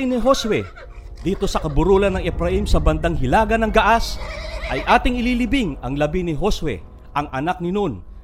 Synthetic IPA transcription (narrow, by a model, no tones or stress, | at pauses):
nɪɦo̞swɛ | d̪iːt̪o̞sɐkɐbʊɾuːlɐnːɐŋʔɛpɾɐhimsɐbɐnd̪aŋɦɪlaːɡɐnɐŋɡɐʔasʔɐjʔaːt̪ɪŋɪlilɪbɪŋɐŋlɐbinɪɦo̞swɛ̰ | ʔɐŋʔɐnak̚nɪnon